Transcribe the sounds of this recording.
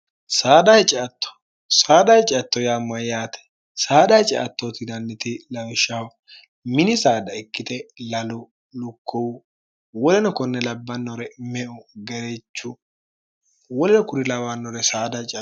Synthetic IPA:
saːd̪ɐhɛt͡ʃʼɛɐt̪ːɔ̥ | saːd̪ɐhɛt͡ʃʼɪɐt̪ːɔjaːmɐjaːt̪ɛ̥ | saːd̪ɐhɛt͡ʃʼɛʔɐt̪ːɔt̪ɪd̪ɐnːɪt̪ɪlɐwʃaw | mɪnɪsaːd̪ɐɛkːɪt̪ɛlɐlʊ | lʊkʰːɔwʊ | wɔlɛnɔkɔnːɛlɐbːɐnːɔɾɛmɛʔʊɡɛɾɛt͡ʃːʊ | wɔlɛnɔkʊɾɪlɐwɐnːɔɾɛsaːd̪ɐt͡ʃʼ

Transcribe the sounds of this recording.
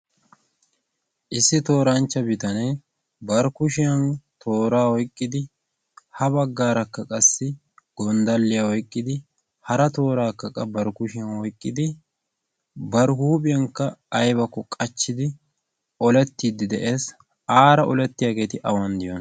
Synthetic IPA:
ʔɪsːɪt̪o̞ːɾɐnt͡ʃːɐbɪt̪ɐneː | bɐɾkʊʃɪjɐnt̪ʰo̞ːɾaːwɔjkʼːɪd̪ɪ | hɐbɐɡːaːɾɐkːɐkʼɐsːɪ | ɡ̥ɔnd̪ɐlːɪjaːwɔjkʼːɪd̪ɪ | hɐɾɐt̪o̞ːɾaːkːɐkʼɐbɐɾkʊʃɪjɐnwɔjkʼːɪd̪ɪ | bɐɾhuːpʼɪjɐŋkːɐːjbɐkːɔkʼɐt͡ʃːɪd̪ɪ | ɔlɛt̪ːiːd̪ɪd̪ɛʔeːs | aːɾɐʔɔlɛt̪ːɪjaːɡe̞ːt̪ɪʔɐwɐnd̪ɪjɔn

